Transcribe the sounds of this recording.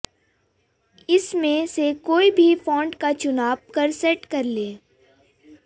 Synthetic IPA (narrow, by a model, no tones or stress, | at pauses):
ɪsmẽsekoːibʱifɔ̃ːɳɖkat͡ʃʊnaːʋkɐɾsɛʈkɐɾleː